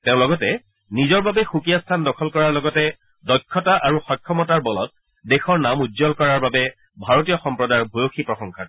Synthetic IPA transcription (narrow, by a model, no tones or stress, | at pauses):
tẽʊ̃lɔɡɔtɛ | nizɔɹbabɛxukijastʰandɔkʰɔlkɔɹaɹlɔɡɔtɛ | dɔkʰːɔtaʔaɹuxɔjkʰːɔmɔtaɹbɔlɔ̰t̚ | dexɔɹnamudzɔlkɔɹaɹbabɛ | bʱaɹotijɔxɔmpɹɔdaɹbʱojoxipɹɔxɔŋkʰa